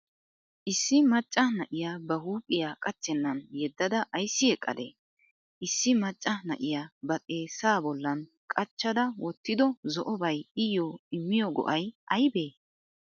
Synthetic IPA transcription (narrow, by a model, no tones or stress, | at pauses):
ʔɪsːɪmɐt͡ʃʼːɐnɐʔɪjaːbɐhuːpʼːɪjaːkʼɐt͡ʃːɛnːɐnjɛd̪ːɐd̪ɐʔɐjsːɪjɛkʼːɐ̰d̪ḛː | ʔɪsːɪmɐt͡ʃʼːɐnɐ̰ʔɪjaːbɐtʼe̞ːsaːbɔlːɐn | kʼɐt͡ʃːɐd̪ɐwɔt̪ːɪd̪ɔzɔʔɔbɐjɪjoːɪmːɪjɔɡɔ̰ʔɐjʔɐjbe̞ː